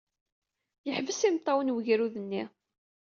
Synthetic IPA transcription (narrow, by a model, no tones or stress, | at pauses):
jəħvəsimt̪ˤːɑwənwəʝɾuðənːi